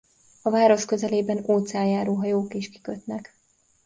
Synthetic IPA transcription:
ɒvaːɾo̞ʃkø̞zɛleːbɛnoːt̪saːjaːɾoːɦɒjoːkeːʃki̥køt̪nɛk

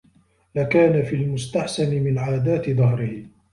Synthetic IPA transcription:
lakaːnafiːlmʊst̪aħsanɪmɪnʕaːd̪aːt̪ɪðˤɑɦɾɪh

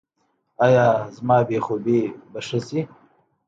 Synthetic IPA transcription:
ɑjɑːzmɑːbexobibaʂasi

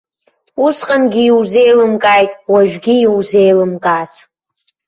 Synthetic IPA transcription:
usqʼanɡʲiiwze̞jlɨmkʼajtʼwaʒᶣɡʲiiwzejlɨmkʼaːt͡sʰ

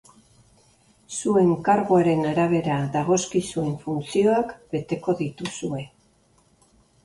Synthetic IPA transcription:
sue̞ŋkaɾɣoaɾe̞naɾaβ̞e̞ɾaðaɣ̞o̞skisue̞ɱfunt͡sio̞akbe̞t̪e̞ko̞ðit̪usue̞

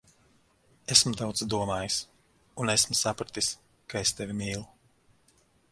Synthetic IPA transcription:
esmt̪awt̪sd̪uɔmaːjus | unesmusapɾat̪is | kaest̪evʲimiːlˠu

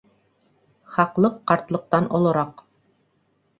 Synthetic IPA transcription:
χɑqlˠɤqːɑɾt̪lˠɤ̆q̚t̪ɑnʔŏlˠɤ̆ɾɑq

